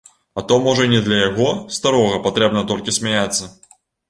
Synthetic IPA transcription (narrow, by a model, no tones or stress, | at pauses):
ɐt̪ɔmɔʐənʲɪd̪lʲɐjɐɣɔst̪ɐɾɔɣɐpɐt̪ɾʲɛbnɐt̪ɔlʲkʲɪsʲmʲɛjat̪sːɐ